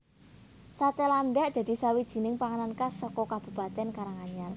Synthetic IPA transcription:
sat̪eland̪ɛʔd̪̥a̤d̪̥i̤sawid̥ʒ̥i̤nɪŋpaŋanankasɔkɔkab̥ṳpat̪ɛnkaɾaŋaɲar

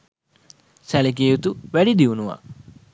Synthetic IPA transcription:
sælek̬eːjut̪uʋæɖid̪iunuʋa̰

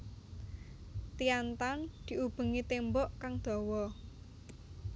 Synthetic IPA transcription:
t̪ijant̪and̪̥i̤ub̥ə̤ŋit̪embɔʔkaŋd̪̥ɔ̤wɔ

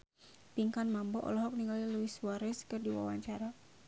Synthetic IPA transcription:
piŋkanmambɔʔɔ̰lɔɦɔk̚niŋɡaliluiswaɾɛskɨrdiwa̰wa̰ɲt͡ʃaɾa

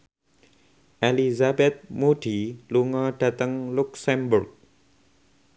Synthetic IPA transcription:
ʔelizabɛt̪̚muɖ̥iluŋɔɖ̥at̪əŋluksɛmbʊrk̚

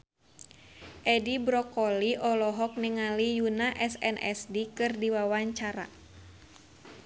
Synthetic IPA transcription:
ʔɛdibɾɔkɔliʔɔlɔɦɔk̚niŋalijunaʔɛsɛ̰nʔɛ̰sdikɨrdiwawaɲt͡ʃaɾa̰

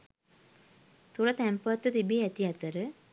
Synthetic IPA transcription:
t̪uɾət̪æmpəʋat̪ːut̪ibiːɛt̪iat̪əɾə

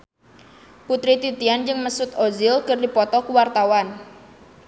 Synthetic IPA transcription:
put̪ɾit̪it̪iand͡ʒɨŋməsʊt̪ozɪlkərdipɔt̪ɔkuwart̪awan

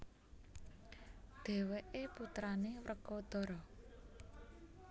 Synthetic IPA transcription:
d̪̥ɛ̤weʔeput̪ɾanewɾʔəɡ̥ɔd̪̥ɔɾɔ

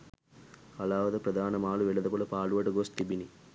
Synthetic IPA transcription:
ɐlaːʋɐd̪ɐpɾɐd̪ʱaːnɐmaːluʋɛɭɐd̪ɐpɐlɐpaːluʋɐʈɐɡoːst̪ibini

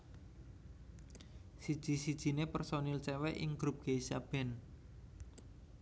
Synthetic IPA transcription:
sid̥ʒ̥i̤sid̥ʒ̥i̤nepərsonilt͡ʃɛwɛʔɪŋɡ̥ɾup̚ɡ̥eisab̥ɛ̤n

